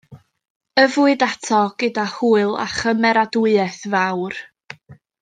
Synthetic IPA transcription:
əvʊɨdatʰɔɡ̥ədahuːɨlˠa̰χəmɛɾaduɨɛθvawr

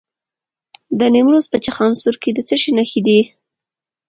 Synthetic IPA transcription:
d̪ənemɾozpət͡ʃaxɑnsuɾked̪ət͡səʃinaxid̪i

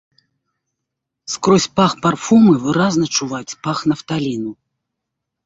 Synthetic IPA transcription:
skɾɔsʲpaxparfumɨvɨɾaznɐt͡ʂuvat͡sʲpaxnɐft̪alʲinu

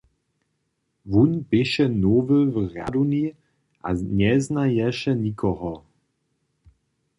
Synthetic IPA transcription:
vunbɪʃɛnovəvrja̰d̪uni | ʔa̰ɲɛznajɛʃɛnikʰɔɦɔ

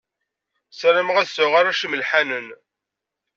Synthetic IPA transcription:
səɾəmʁæsʊʁaɾæʃəməlħanən

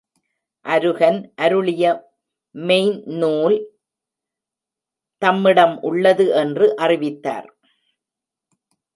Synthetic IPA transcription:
ʔɐɾɯɣɐnʔɐɾɯɭɪjɐ | mɛɪnnuːl | t̪ɐmːɪɽɐmʔʊɭːɐðɯʔɛndrɯʔɐrɪʋɪt̪ːa̰ːɾ

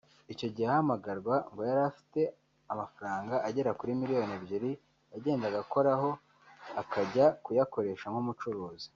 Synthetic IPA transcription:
ico̞ɟihahamaɡaɾɡwaŋɡo̞jaɾafi̥te̞ | amafaɾaːŋɡaʔaɟe̞ɾakuɾimiɾijo̞nebɟiɾi | aɟe̞ːndaɡako̞ɾaɦo̞ | akaɟakujako̞ɾe̞ʃamhumut͡ʃuɾoːzi̥

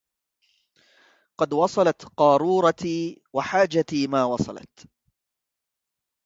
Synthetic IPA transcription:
qɑd̪wɑsˤɑlɑt̪qɑːɾˤuːɾˤɑt̪iːwaħaːd͡ʒat̪iːmaːwɑsˤɑ̰lɑ̰t̪

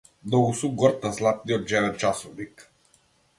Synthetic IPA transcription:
d̪ɔusuɡɔɾt̪aslˠat̪̚niɔt̪̚d͡ʒɛvɛt̪̚t͡ʃasɔvnik

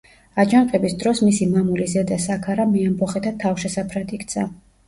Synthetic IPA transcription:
ad͡ʒanqʼɛbisd̪ɾɔsmisimamulizɛd̪asakʰaɾamiambɔχɛt̪ʰat̪ʰafʃɛsapʰɾad̪ikʰt̪sʰa

